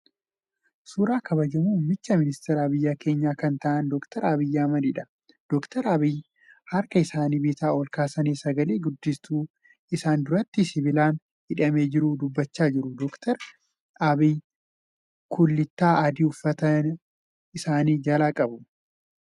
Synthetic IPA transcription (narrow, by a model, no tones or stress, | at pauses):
suːɾaːkɐbɐd͡ʒɐmuːmɪt͡ʃːɐmɪnɪst̪ɛɾɐɐbɪjːɐkʰe̞ːɲːaːkɐnt̪ɐʔɐnd̪ɔkt̪ʰɐɾɐbɪjːɐɐmɐd̪ɪᶑɐ | d̪̥ɔkt̪ɐɾɐbɪj | hɐɾkɐɪsaːniːbiːt̪aːoːlkaːsɐniːsɐɡɐliːɡʊd̪ːɪst̪uː | ɪsaːnd̪ʊɾɐt̪ːɪsɪbɪlaːn | hɪᶑɐmeːd͡ʒɪɾuːd̪ʊbːɐt͡ʃːaːd͡ʒɪɾʊd̪ɔkt̪ɛɾ | ɐbɪj | kʰʊlːɪt̪ːaːʔɐd̪iːʊfːɐt̪ɐn | ɪsaːniːd͡ʒaːlaːkʼɐbʊ